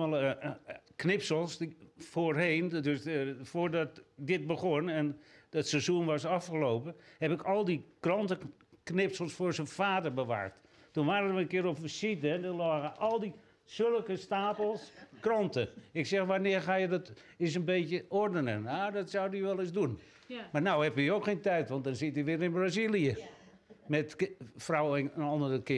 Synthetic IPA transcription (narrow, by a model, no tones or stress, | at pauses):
ɛlˠ | knɪpsəlˠsfoːrɦeːndøsfoːrdɔt̚dɪt̚bəɣonɛnətsezunʋɔsɑfxəlowpəhɛpɪkɔlˠdikrɔntə | knɪpsəlˠsfoːɹsənfaːdərbəʋa̰ːrt | tunʋaːɾəʋəənkɪːəɾopəsitəndɔlɔːɣəʔɔlˠdi | sølˠəkəstaːpəl̩ˠskrɔntəɪksɛxʋanɪərxaːjədɔt | ɪsənbeːtjəordənənadɔtsawdiʋɛlˠɪsdun | manawhɛpjiokxeːntɛjtʋɔntdɔnsɪtiʋɪːɾɪnbrazilˠijə | mɛtfrawɛnənɔndərəkɪ